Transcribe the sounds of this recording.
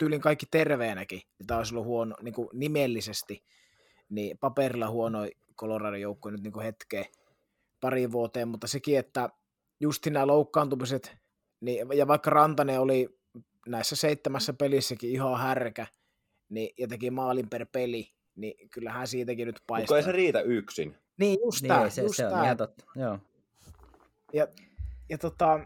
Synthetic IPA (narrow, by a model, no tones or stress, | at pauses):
t̪yːliŋkɑikːit̪erʋeːnækimit̪æoˑisolːuhuononiːŋkunimelːisest̪i | nipɑperilːˑɑhuonoi | kolorɑːrijoukːoinyt̪niːŋkuhet̪keː | pɑriʋʋuot̪eːmmut̪ːɑsekiet̪ːæ | just̪innæːloukːɑːnt̪upiset̪ | nijɑʋɑikːɑrɑnt̪ɑneoli | næˑisːæseit̪ːemæsːæpelisːækiihɑhærkæ | nijɑt̪ekimɑːlimperpeli | nikylːæhæːnsiːt̪ækinyt̪pɑˑisoeˑiseriːt̪æyksḭn | niːjjust̪æːjustt̪æːt̪ot̪ːɑ̥joː | jɑjɑt̪ot̪ɑˑ